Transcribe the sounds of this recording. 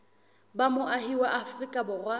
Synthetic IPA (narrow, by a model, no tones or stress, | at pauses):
bamʊʔaɦiwaʔafrikʼabʊrwa